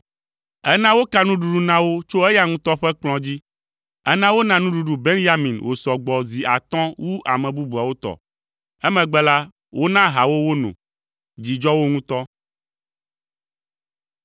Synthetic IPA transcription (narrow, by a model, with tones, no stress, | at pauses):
ɛ˦nã˦wo˦ka˦nũ˦ɖu˨ɖu˦nã˦wo˦t͡ʃo˦ɛ˦ja˦ŋũ˦t̪ɔ˦ɸɛ˦k͡plɔ̃˨d͡ʑi˦ | ɛ˦nã˦wo˦nã˨nũ˦ɖu˦ɖu˦be˦nja˦mĩ˨nwo˨sɔ˨ɡ͡bɔ˨zi˨a̰˨t̪ɔ̃˦wu˦ʔa̰˨mɛ̃˨bu˦bu˨a˨wo˦t̪ɔ̰˨ | ɛ˦mɛ̃˨ɡ͡bɛ˦la˦ | wo˦nã˦ɦa˨wo˦wo˦nṵ̃˨ | d͡ʑi˨d͡ʒɔ˦wo˦ŋũ˦t̪ɔ˦